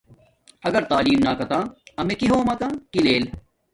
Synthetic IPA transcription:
ɐɡɐɾt̪aːliːmnaːkɐt̪ãːɐmekiɦõːmɐk̪ãːkileːl

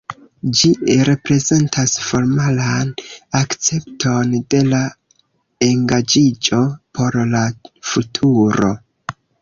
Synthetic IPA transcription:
d͡ʒiɾe̞pɾe̞ze̞ntʰasfo̞ɾmalanakt͡se̞ptʰo̞nde̞la | e̞ŋɡad͡ʒid͡ʒo̞pʰo̞ɾlafutʰuɾo̞̰

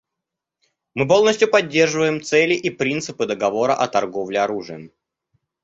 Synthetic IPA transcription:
mɨp̬o̞lˠnəsʲtʲjʊpɐdʲːe̞rʐɨvəjɪmt̪sɛlʲɪʔipɾʲint̪sɨpɨd̪əɡɐvo̞ɾə̰ʔɐt̪ɐrɡo̞vlʲɪɐɾuʐɨə

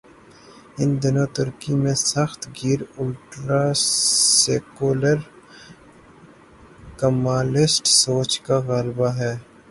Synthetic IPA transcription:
ɪnd̪ɪnot̪ʊɾkimẽsɐxt̪ɡiːɾʊlʈɾaːseːkuːləɾ | kɐmaːlɪsʈsoːt͡ʃkaɣaːlbaɦɛː

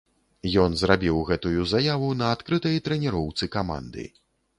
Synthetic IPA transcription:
jɔnzɾabʲiwɣɛt̪ujuzajavunɐːt̪kɾɨt̪ɐjt̪ɾɛnʲɛɾɔwt̪sɨkama̰nd̪ɨ̰

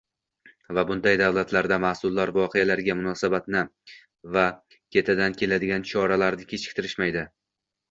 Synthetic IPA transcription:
vabʊnd̪ajd̪awlˠat̪ʰlaɾd̪amasʊlˠːaɾvɒqʰejalaɾɡʲamʊnɒsabat̪nɪ | va | kʲʰe̞t̪ʰad̪ankʲʰe̞lad̪ɪɡʲant͡ʃʰɒɾalaɾnɪkʲʰet͡ʃʰɪ̥k̚ʲt̪ʰɪɾɪʃmajd̪ɪ

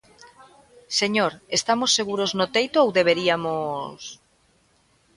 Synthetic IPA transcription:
seɲoɾest̪amosːeɣuɾoznʊt̪ejt̪oowðeβ̞eɾiamos

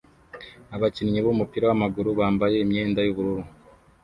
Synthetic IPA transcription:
aβacinɲiβomupiːɾawamaɡuɾuβaːmbaje̞imɲe̞ːndajuβuɾuɾu

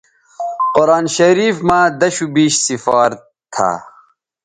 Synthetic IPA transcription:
qoɾɑːnɕɐɾiːfmãːd̪ɐɕubiːɕsifɑːɾ | t̪ʰa̰ː

